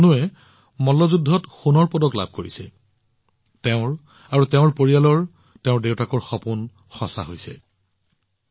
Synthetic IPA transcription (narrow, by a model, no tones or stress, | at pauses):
nuɛ | mɔlɔzudʱːɔtxunɔɹpɔdɔkla̰b̚ʱkoɹisɛ | teʊ̃ɹ | aɹuteʊ̃ɹpoɹijalɔɹ | teʊ̃ɹdewtakɔɹxɔpun | xɔsa̰ɦojsɛ̰